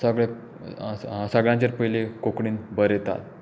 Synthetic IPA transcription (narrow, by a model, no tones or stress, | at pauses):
səɡɭe | səɡɭjãɲt͡ɕeɾpəɦilekokɳiːnbəɾet̪a̰t̪̚